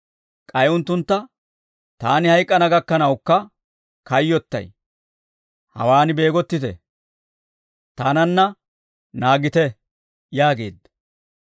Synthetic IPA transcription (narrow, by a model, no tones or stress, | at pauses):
kʼɐjʊnt̪ːʊnt̪ːɐ | t̪aːnɪhɐjkʼːɐnɐɡɐkːɐnɐwkːɐ | kɐjːɔt̪ːɐ̰j | hɐ̰waːnɪbe̞ːɡɔt̪ːɪt̪ɛ̰ | t̪aːnɐnːɐ | naːɡɪt̪ɛ | jaːɡe̞̰ːd̪ːɐ